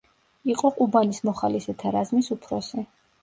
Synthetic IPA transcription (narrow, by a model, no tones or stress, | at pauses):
iqʼɔqʼubanismɔχalisɛt̪ʰaɾazmisupʰɾɔ̰si